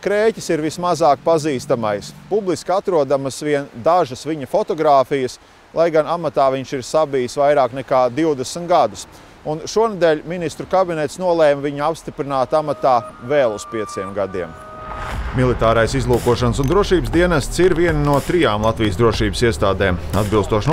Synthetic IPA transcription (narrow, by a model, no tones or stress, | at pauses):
kɾeːcʲisiɾvismazaːk̚paziːst̪amajspublˠiskat̪ɾuɔd̪amsʋiɛnd̪aʒɐsviɲɐfɔt̪ɔɡɾaːfijəs | lˠajɡanamat̪aːviɲʃiɾsabijsvajɾaːknɛkaːd̪iwd̪esmt̪ɡad̪us | unʃuɔned̪ɛːʎʲminist̪ɾukabinɛt̪snuɔlˠɛːmviɲuapst̪ipɾinaːt̪amat̪aːvɛːlˠuspiɛt̪siɛmɡad̪iɛm | milˠit̪aːɾajsizlˠuːkuɔʃansund̪ɾuɔʃiːbəsd̪iɛnast̪siɾviɛnnuɔt̪ɾijaːmlˠat̪vijəsd̪ɾuɔʃiːbəsiɛst̪aːd̪ɛːmad̪bilˠst̪uɔʃn